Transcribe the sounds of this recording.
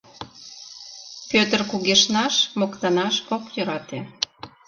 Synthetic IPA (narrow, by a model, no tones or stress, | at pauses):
pʲøt̪ərkuɣeʃnɑʃmokt̪ɑnɑʃokjøɾɑt̪e